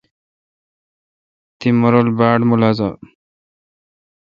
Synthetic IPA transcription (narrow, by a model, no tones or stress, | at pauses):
t̪imɔɾɔlbaːɖmulaza̰